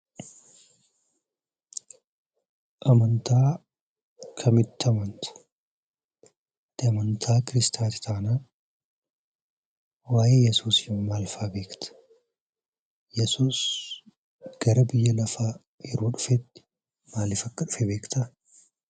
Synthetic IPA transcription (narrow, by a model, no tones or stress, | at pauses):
ʔɐmɐnt̪aː | kʰɐmɪt̪ːɪɐmɐnt̪ɐ̥ | t̪ːɪɐmɐnt̪ʰaːkɪɾɪst̪ʰaːt̪ɪ̥t̪ʰaːnaː | waːjeːjɛsuːsɪmaːlfaːbe̞ːkt̪ɐ̥ | jɛsuːs | ɡ̥ɐɾɐbɪjːɐlɐfaː | jɛɾuːᶑʊfɛt̪ːɪ̥ | maːlɪfɐkːɐᶑʊfɛbe̞ːkt̪ʰɐ